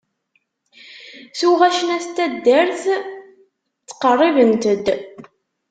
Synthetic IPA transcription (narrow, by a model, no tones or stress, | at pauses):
θuʁæʃənæst̪ːæd̪ːəɾθ | t͡sːə̥qərˤːivənt̪əd̪